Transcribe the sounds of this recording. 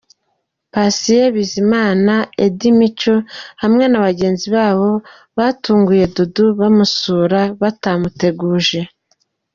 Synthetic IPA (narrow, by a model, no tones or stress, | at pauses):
pasijeβizimaːnaḛdimit͡ʃohamŋe̞naβaɟe̞ːnziβaːβo̞ | βaːtuːŋɡuje̞duduβamusuːɾaβatamute̞ɡuːʒe̞